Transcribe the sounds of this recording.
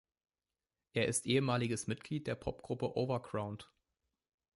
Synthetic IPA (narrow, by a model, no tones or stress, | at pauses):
ʔeːɐʔɪstʔeːəmaːlɪɡəsmɪt̚ɡ̥liːt̚d̥eːɐpʰɔ̰p̚ɡ̥ʁʊpəʔoːvɐɡʁaʊnt